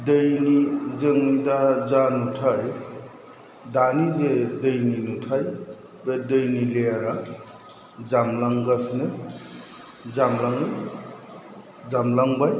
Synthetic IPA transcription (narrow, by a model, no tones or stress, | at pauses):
dɯjnizɯŋidazanutʰaj | danizedɯjninutʰaj | bedɯjnileaɾa | zamlaŋɡasnɯ | zamlaŋɯj | zamlaŋbaj